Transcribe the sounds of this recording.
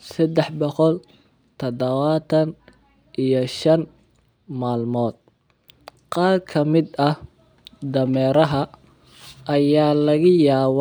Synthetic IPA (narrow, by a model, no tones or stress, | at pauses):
sɐd̪ɛħbɔqɔl | t̪ʰɐd̪ɐβaːt̪ʰɐn | ʔijɞʃɐn | maːlmɔːd̪̥̚ | qɑːrkʰɐmɪd̪ɐh | d̪ɐmɛːɾɐɦɐ | ʔɐjaːlɐɣɐjaːw